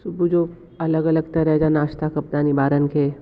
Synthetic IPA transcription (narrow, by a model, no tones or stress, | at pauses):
sʊbʱud͡ʒoː | ɐləɡɐləɡt̪ɐɾɦɛd͡ʒanaːʃt̪akɐp̚d̪aːnibaːɾənkʰe